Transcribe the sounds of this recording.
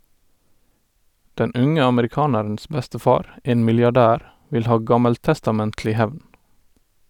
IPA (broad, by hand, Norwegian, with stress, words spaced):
ˈdɛn ˈʔʉŋə ɑməɾɪˈkɑːnəɹn̩s ˈbɛstəˌfɑːɾ ˈʔeːn mɪljɑˈɖæːɾ ˈʋɪl ˈhɑː ˈɡɑməlˌtɛstɑˌmɛntlɪ ˈhæʋn